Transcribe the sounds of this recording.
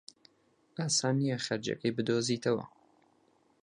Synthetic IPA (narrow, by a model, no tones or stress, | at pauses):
ʔaːsaːnnːijɐχɐɾd͡ʒɐ̰kɐjbɨd̪oːziːt̪ʰɐwɐ̰